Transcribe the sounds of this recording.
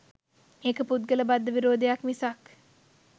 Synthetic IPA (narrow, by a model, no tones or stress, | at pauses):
eːkəput̪̚ɡələbad̪ːəʋiɾoːd̪ejakmisak